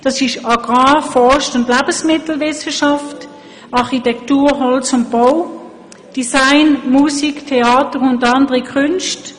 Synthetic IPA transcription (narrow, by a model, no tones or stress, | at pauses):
d̥ɑsɪʃɑɡ̥ʁɑːfɔʃtʊndlæːb̥əsmɪtl̩ʋɪsəʃɑft | ɑʁχitɛktuːɦɔlsʊnt̚b̥ow | d̥isaɪnmusiktʰeɑːtəʁʊndɑndəʁikʰʉnʃt